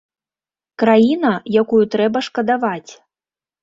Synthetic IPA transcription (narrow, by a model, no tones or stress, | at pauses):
kɾajinɐjakujut̪ɾɛbɐʂkɐd̪avat͡sʲ